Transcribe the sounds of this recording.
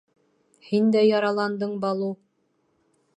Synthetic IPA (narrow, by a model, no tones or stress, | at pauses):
hind̪æjɑɾɑlˠɑnd̪ɤɴbɑlˠɤ